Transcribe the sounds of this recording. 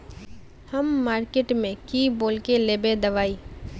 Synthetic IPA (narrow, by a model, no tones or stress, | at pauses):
hɐmːaːɾkeːʈmẽkiːboːlkeleːbed̪ɐʋaːiː